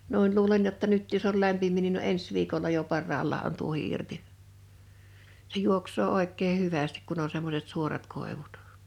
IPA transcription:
nu̞in luːlen jotːɑ nyt josˑ ol læmpimˑiː nin ne o ens ʋiːkolːɑ jo pɑrːɑːlːɑː on tuohi irti se juoksˑoː oˑekˑeː hyʋæstik̆ kun o semːoset suorɑt koˑeʋut

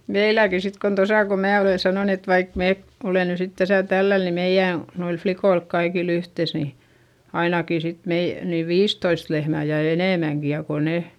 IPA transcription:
meilæki sit kon tosɑˑ ko mæː oleˑ sɑnoˑn et ʋɑik meː ole ny sit tæsæ tælːæl ni meij̆æˑ noilf flikoilk kɑikil yhteˑs ni ɑinɑki sit mei niːʋ ʋiːstoist lehmæˑ jɑ eneˑmæŋki jɑ ko ne

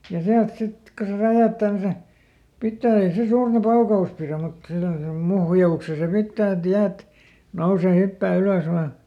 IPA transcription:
jɑ siælt sit ko se ræjæːtːæː ni se pitːæː ei se suːrtɑ pɑukɑus piræm mut semːosem muhjɑukse se pitːæː et jæːt nouseˑ hypːæː yløs ʋɑː

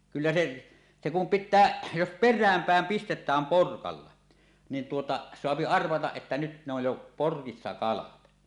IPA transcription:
kylːæ se se kum pitːæː jos perˑæːm pæˑem pistetˑæːm porkɑlːɑ nin tuotɑ soɑpi ɑrʋɑtɑʔ ʔetːæ nyt ne oj jo porkisːɑ kɑlɑt

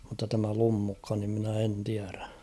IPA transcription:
mutːɑ tæmæ lumːukːɑ nim minæ en tiæræ

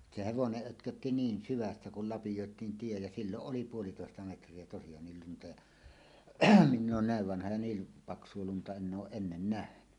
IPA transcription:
se heʋoneʔ ʔøtkøtːi niːn syʋæsːæ kul lɑpijoˑetˑiːn tie jɑ silːoʔ ʔoli puolitoˑestɑ metrˑie tosijɑːnːil luntɑ jɑ minː oːn næˑeʋ ʋɑnhɑ jɑ niːl pɑksˑuo luntɑ enː oːʔ ʔenːen næhny

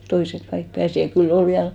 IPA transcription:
toisek kɑik pæːsi jɑ kylː ol ʋiæl

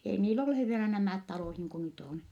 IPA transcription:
ei niːl olːu he ʋielæ næmæˑt tɑloˑh niːŋku nyt on

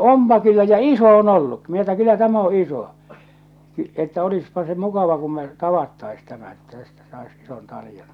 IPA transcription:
ompɑ kylːæ jɑ iso on olːukːi minæ etːæ kylːæ tæm o iso etːæ olispɑ se mukɑʋɑ kum me tɑʋɑtːɑis tæmæ etːæ tæstæ sɑis ison tɑlĭjɑn

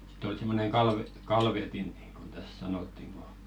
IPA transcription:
si̥t ol simːoneŋ kɑlʋe kɑlʋetin niːŋɡ̊on tæs sɑnotːiŋ ɡ̊o

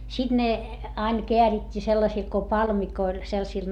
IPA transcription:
sid̥ ne ɑin keæritʲːiː selːɑsil ko pɑlmikoil selsil

